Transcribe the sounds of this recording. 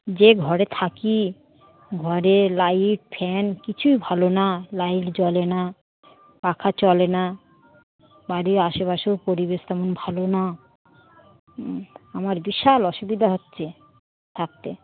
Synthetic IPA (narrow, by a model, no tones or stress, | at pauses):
d͡ʑeɡʱɔɾet̪ʰaki | ɡʱɔɾelajʈ̚pʰɛnkit͡ɕʰujbʱalonalajʈd͡ʑɔlena | kakʰat͡ɕɔlena | baɾiaʃeβaʃopoɾibeʃt̪ɛmonbʱalona | amaɾbiʃalɔʃubid̪ʱaɦotːɕʰe | t̪ʰak̚t̪e